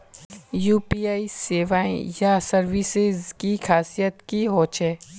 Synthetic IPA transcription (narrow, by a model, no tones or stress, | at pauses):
juːpiːaːiseːʋaːḛ̃jasɐɾʋisɪzkixʰaːsijət̪kiɦoːt͡ʃɛː